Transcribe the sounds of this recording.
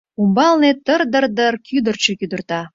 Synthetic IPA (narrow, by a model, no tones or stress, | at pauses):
umbɑlnet̪ərd̪ərd̪ərkʰyd̪ə̆rt͡ɕekyd̪ə̆rt̪ɑ